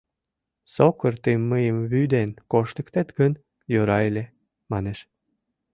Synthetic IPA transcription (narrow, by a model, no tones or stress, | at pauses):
sokərt̪əmːəjəmβyd̪enkoʃt̪əkt̪et̪ɡən | jøɾɑelʲe | mɑneʃ